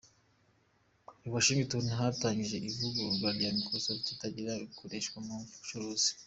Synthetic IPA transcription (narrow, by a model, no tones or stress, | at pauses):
uβaʃiːŋɡituːnuɦataɲɡiʒe̞ʔivuɡoɡaɾɟamikʰosaβcitaɟiɾaβikʰoɾeʃkwamuu̥t͡ʃuɾoːz̥i̥